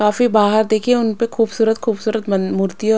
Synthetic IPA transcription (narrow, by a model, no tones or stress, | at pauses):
kaːfibaːɦəɾd̪eːkʰieʊnpexuːbsuːɾət̪xuːbsuːɾət̪mɐmʊɾt̪iɔ